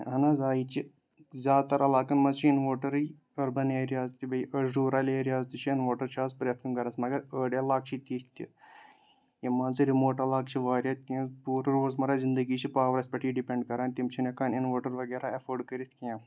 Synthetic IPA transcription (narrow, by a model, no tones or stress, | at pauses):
ɦɐnaːzaːit͡ʃʰi | zʲaːd̪̚t̪ɐɾʔɐlaːkɐnmɐzt͡ʃʰinʋoːʈɐɾɨ | ɐɾbɐneːɾiaːzt̪ibɐiʔɐzɾuːɾaːlʲeːɾiaːzt̪it͡ʃʰiinʋoːʈɐɾt͡ʃʰaːzpɾʲɐt̪̚ʰkɐnkɐɾɐsmɐɡɐɾəːɖʲjaːlaːk̚t͡ʃʰit̪iːt̪ʲḭ | jimãːnzɨɾimoːʈɐlaːkt͡ʃʰiʋaːɾʲjɐːt̪̚ʰʲkiãːpuːɾɾoːzmɐɾaːzɪnd̪əɡiːt͡ʃʰipaːʋɾɐsʲpʲɐʈʰiːɖipʲeɳɖkɐɾaːnt̪imt͡ʃʰinʲɐkaːninʋoːʈɐɾʋɐɡeːɾaːɐfʰoːɖkɐɾit̪ʰʲkãː